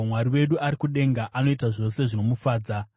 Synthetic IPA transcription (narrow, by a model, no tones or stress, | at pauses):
mwaɾiwe̞ɗuaɾikuɗe̞ŋɡaʔano̞itaʐo̞se̞ʐino̞mufaːd͡za